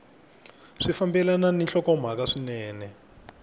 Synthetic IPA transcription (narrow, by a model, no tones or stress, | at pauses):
ʂifambɛlananinɬɔkɔm̤ak̬aʂinɛːnɛ